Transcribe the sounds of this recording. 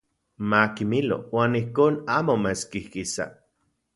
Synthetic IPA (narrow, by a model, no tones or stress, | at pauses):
makimilo̰waːnihkoːnaːmomet͡skihkisa̰